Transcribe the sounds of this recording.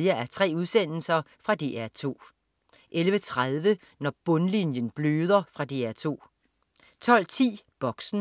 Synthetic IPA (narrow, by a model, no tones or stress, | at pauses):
ɐæɐt͡sʰʁɛ̰ːuð̞ˠsen̰l̩sɐfʁɑ̈d̥eʔæɐt͡sʰo̝̰ː | ʔelʋət͡sʰʁað̞ˠʋə | nɒb̥ɔ̽nlinjənb̥løːð̞ˠɐfʁɑ̈d̥eæɐt͡sʰo̝̰ː | t͡sʰɒ̽l̰t͡sʰḭːb̥ɒ̽ɡ̥sn̩